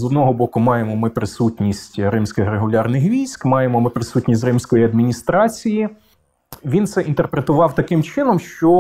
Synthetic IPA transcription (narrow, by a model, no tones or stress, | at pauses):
zɔd̪nɔɦɔbɔkʊmɑjemɔmɪpɾɪsutʲnʲisʲtʲɾɪmsʲkɪxreɦʊlʲɑrnɪxʋʲijsʲkmɑjemɔmɪpɾɪsutʲnʲisʲtʲrɪmsʲkɔjiɐd̪mʲinʲist̪ɾɑt͡sʲiji | ʋʲint̪sɛʔint̪erpɾet̪ʊʋɑwt̪ɐkɪmt͡ʃɪnɔmʃt͡ʃɔ